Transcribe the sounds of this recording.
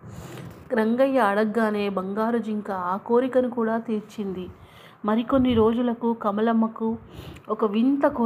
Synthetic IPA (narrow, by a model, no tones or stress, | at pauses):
ɾɐŋɡɐjːɐːɽɐɡːaːne̞ːbɐŋɡaːɾud͡ʒiŋkaaːko̞ːɾikɐnukuːɽaːt̪eːɾt͡ʃind̪i | mɐɾiko̞nːiɾo̞ːd͡ʒulɐkukɐmɐlɐmːɐkuɔkɐʋint̪ɐku